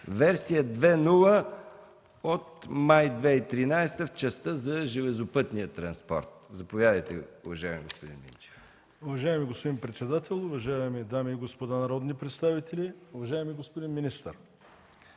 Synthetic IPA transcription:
vɛɾsijəd̪vɛnulˠə | ot̪majd̪vɛit̪ɾinajst̪əft͡ʃɐst̪əzɐʒɛlɛzopɤt̪nijət̪ɾɐnspɔ̰ɾt̪̚zɐpovʲjad̪əjt̪ɛ̰ʊvɐʒaɛmiɡo̰spod̪ḭnmḭnt͡ʃɛ̥f | ʊvɐʒajɛmiɡospod̪inpɾɛt̪sɛd̪at̪ɛlˠʊvɐʒaɛmid̪amiːɡospod̪anɐɾɔd̪nipɾɛt̪st̪avit̪ɛlʲiʊvɐʒajɛmiɡospod̪inminist̪əɾ

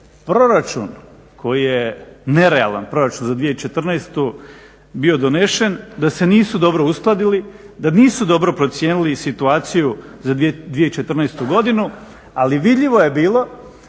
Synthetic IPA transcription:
pɾo̞ɾat͡ʃṵn | kʰo̞jijene̞ɾea̰la̰npɾo̞ɾat͡ʃunzad̪ʋijet͡ʃe̞t̪r̩nɛst̪u | bio̞d̪oneʃend̪ase̞niːsud̪o̞bɾo̞usklˠad̪ili | d̪aniːsud̪o̞bɾo̞pɾo̞t̪sje̞ːnilisit̪uaːt̪siju | zad̪d̪ʋijet͡ʃet̪r̩nest̪uɡo̞d̪inu | aliʋid̪ʎiʋojebiːlˠo̞

